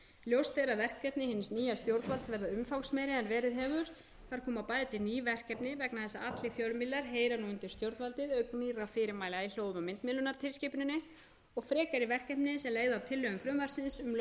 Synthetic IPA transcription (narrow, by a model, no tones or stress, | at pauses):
ljowst̪eɾaðvɛr̥kɛpnɪhɪnsniːjast̪jowɾt̪valt̪svɛɾðaʏmfawksmɛjɾɪðanvɛːɾɪðɦɛvʏɾ̥ | θaɾ̥kʰɔːmapaːjðɪt̪ɪniːvɛr̥kɛpnɪvɛknaθɛsːaat̪lɪfjœlmɪlːaɾ̥ɦeːjɾanuːɪnt̪ɪ̥st̪jowɾt̪valt̪ɪðœɥkmiɾawfɪːɾɪɾmaːjlailjowðmamɪnt̪mɪlʏnaɾ̥t̪ʰɪlscɪːpʏnʏnːɪ | ɔɣfɾɛːkaɾɪvɛr̥kɛhpnɪsɛmleːjɣðʏav̥t̪ʰɪlːœɣʏmfɾʏmvar̥sɪnsʏm